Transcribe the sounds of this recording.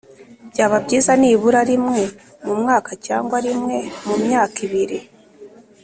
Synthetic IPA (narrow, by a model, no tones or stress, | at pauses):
bɟaːβabɟiːzaniːβuɾaɾimŋe̞ | mumŋaːkacaːŋɡwaɾimŋe̞mumɲaːkiβiɾi